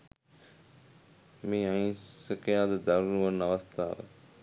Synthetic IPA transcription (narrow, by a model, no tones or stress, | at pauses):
miːanɐkɐjaːd̪əd̪ɐɾuluʋɐnːaʋɐst̪aːʋə̰